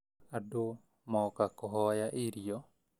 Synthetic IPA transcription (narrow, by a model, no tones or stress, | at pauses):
ado | maɔkakɔɦɔjaʔiɾiɔ